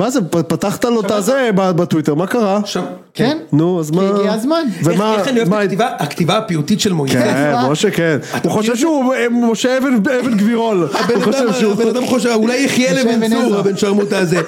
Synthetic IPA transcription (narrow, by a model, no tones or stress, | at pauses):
mazeppat̪aχt̪alot̪azebabat̪wit̪eʁmakaʁaʃa | kennuazmaɡiazmanvemaanimaivaakt̪ivaapiut̪itʃelmojkenoʃekenuχoʃevʃeumoʃeevenevenɡviʁolabeuoʃevʃeubad̪amχoʃeulajeχjelevenvuʁabenʃaʁmut̪aze